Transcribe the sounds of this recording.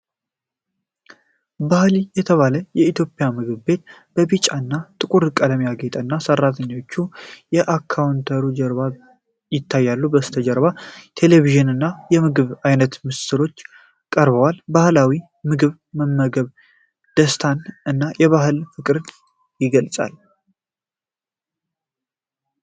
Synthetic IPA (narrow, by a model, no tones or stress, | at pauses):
bahlijɛt̪ʰəβaləjɛit̪ʰjo̞pʼɪjamɨɡɨβbe̞t̪̚b̥əβit͡ʃʼaɨnːat̪ʼɨkʼuɾkʼələmjaɡet̪ʼənːasərːat̪ʰəɲːo̞t͡ʃːujɛʔakʰːawnt̪ʰəɾud͡ʒəɾβa | jɪt̪ʰːajːalːubəst̪ʰəd͡ʒəɾbat̪ʰe̞leβiʒɨnɨnːajɛmɨɡɨβajnət̪mɨst̪ɨɾo̞t͡ʃː | kʼəɾbəwalbahlawi | mɨɡɨβ | məmːəɡəβ | d̪̥əst̪ʰanɨnːajɛβaɦɨlfɨkʼɾɨn | jɪɡəlsʼa̰l